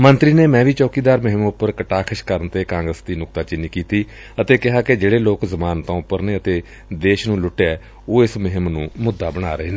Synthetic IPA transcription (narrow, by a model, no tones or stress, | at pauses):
mənt̪ɾiːneːmɛ̃ːʋiːt͡ʃɔːkiːd̪aːɾmɪɦɪmʊpːəɾkəʈaːkʰəʃkəɾənt̪eːkãːŋɡɾəsd̪iːnʊkt̪aːt͡ʃɪniːkiːt̪iː | ət̪eːkɪɦaːkɪd͡ʒeːɽeːloːkzəmaːnt̪õːpːəɾneːət̪eː | d̪eːʃnũːlʊʈːeːɛː | oːɪsmɪɦɪmnũːmʊd̪ːaːbəɽ̃aːɾəɦeːnː